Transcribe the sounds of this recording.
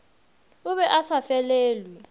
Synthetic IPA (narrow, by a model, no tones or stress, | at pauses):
ʊβɛʔasafɛleːlwi